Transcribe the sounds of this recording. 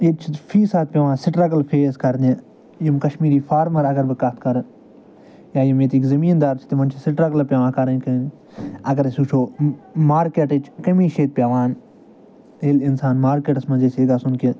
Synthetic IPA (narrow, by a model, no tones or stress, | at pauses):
et͡ʃʰifʰiːsaːt̪̚pʲjɐʋãːsɪʈɾɐkɐlpʰeːskɐɾnʲe | jimkɐʃmiːɾiːfʰaːɾmɐɾɐɡɐɾbɨkɐt̪̚ʰkɐɾ | jaːjimjet̪iːkzɐmiːnd̪aːɾt͡ʃʰt̪imɐnt͡ʃʰisɪʈɾaklɐpʲɐʋãːkɐɾɐnkɐn | ɐɡɐɾsuːt͡ʃʰoːmaːɾkeʈet͡ʃʰkɐmĩːʃeːt̪̚pjaʋãːn | elɪnsaːnmaːɾkeːʈɐsmɐzeseːɡaːsunki